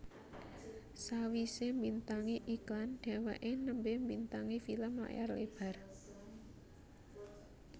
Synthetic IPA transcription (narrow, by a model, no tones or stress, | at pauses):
sawisembint̪aŋiʔiklanɖ̥a̤waʔenəmbembint̪aŋifiləma̰ʔja̰rlḛb̥a̤r